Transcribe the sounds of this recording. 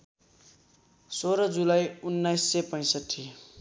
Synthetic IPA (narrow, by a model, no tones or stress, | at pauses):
soɾʌd͡zulajunːajsːepʌj̃sʌʈʰːi